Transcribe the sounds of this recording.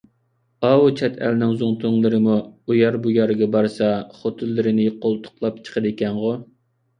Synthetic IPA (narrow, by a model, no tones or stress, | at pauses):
ɑwut͡ʃʰɛt̪ʰɛ̰lnɪŋzuŋt̪ʰʊŋlˠɨɾɨmuujɑɾbujɑɾɡʲɛbɑɾsɑχot̪ʰɨlːɨɾɪnɪqʰolˠt̪ʰʊ̥qlˠɑp̚t͡ʃʰə̥qʰəd̪ekʲɛnʁo